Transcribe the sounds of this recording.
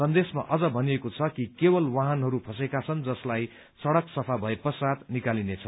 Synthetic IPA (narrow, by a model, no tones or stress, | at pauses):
sʌnd̪esma̰ʔʌd͡zʌbʱʌnijekot͡sʰʌkikebʌlwaɦʌnɦʌɾupʰʌsekat͡sʰʌnd͡zʌslaj | t͡sʌɽʌksʌpʰabʱʌepʌsad̪nikalinet͡sʰʌ